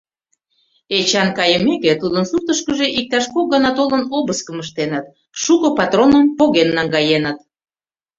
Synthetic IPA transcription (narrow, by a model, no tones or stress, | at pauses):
et͡ɕɑnkɑjə̆meket̪ud̪ənsut̪əʃkəʒeʔik̚t̪ɑʃkoɣɑnɑt̪olənoβəskə̆məʃt̪enət̪̚ | ʃukɤ̆pɑt̪ronəmpoɣenːɑŋɡɑjenət̪̚